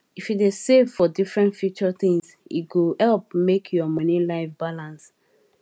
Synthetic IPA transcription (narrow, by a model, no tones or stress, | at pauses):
ifjidesevfɔdifɹɛ̃ntfjut͡ʃɔθĩŋs | ḭɡuhɛlp̚mekʰjɔmɔnĩlaɪfbalãns